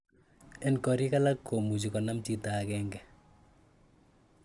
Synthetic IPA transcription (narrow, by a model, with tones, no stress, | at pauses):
ɛ˨nkɔ˨ɾi˦ka˦lakːo˨mu˨t͡ʃ̬i˨kɔ˨na˦mt͡ʃi˦ta˨kɛ˦ŋɡɛ